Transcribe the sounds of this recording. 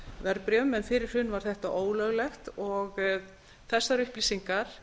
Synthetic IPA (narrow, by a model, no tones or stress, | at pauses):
vɛɾpɾjœmɛnfɪɾɪɾ̥hʏnːvaɾ̥θɛht̪aʔoːwlœɣlɛxt̪ɔɣ | θɛsːaɾʏhplisiŋkaɾ̥